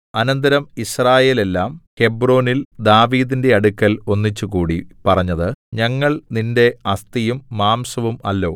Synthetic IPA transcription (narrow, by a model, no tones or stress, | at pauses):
ɐnɐnd̪ɐɾɐmisraːje̞ːle̞lːaːmhe̞bro̞ːnild̪aːʋiːðinde̞ɐɽukːɐlo̞nːit͡ɕːukuːɽipɐrɐɲːɐðɨɲɐŋːɐɭninde̞ɐst̪ijumːaːmsɐʋumɐ̰lːo̞̰ː